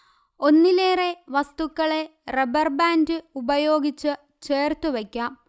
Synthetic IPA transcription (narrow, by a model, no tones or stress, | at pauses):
o̞nːileːre̞ʋɐst̪ukːɐɭe̞rebɐrbaːndɨubɐjo̞ːɡit͡ɕːɨ | t͡ɕe̞ːrt̪uʋekʲːaːm